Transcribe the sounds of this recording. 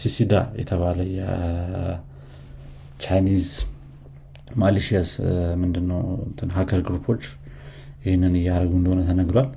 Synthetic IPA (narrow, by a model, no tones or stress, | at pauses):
sisid̪a̰jɛ̰t̪ʰəβaləjɛ̰ | t͡ʃʰajniz | maliʃiasmɨnd̪ɨnːəwnt̪ʰɨnɦakʰəɾɡɾupʰo̞t͡ʃː | jɪhnːɨnɨjːɛaɾəɡuɨnd̪əhonət̪ʰənəɡɾowal